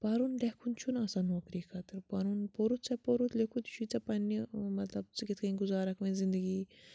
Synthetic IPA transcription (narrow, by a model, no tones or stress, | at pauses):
paːɾunlekʰunt͡ʃʰunaːsanoːkɾiːkʰat̪ɾpaɾunpoːɾut̪t͡ʃɐpoːɾut̪ʰlekʰut̪t͡ʃʰut͡sɐpɐnːimɐt̪lɐb̚t͡sɨkɪt̪ʰkʰɐɡʊzaːɾɐkʰʋẽzɪ̃nd̪əɡiː